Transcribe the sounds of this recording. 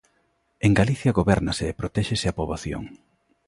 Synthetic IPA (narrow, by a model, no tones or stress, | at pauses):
eŋɡaliθjɐɣoβɛɾnaseːpɾot̪ɛʃeseapoβaθjo̰ŋ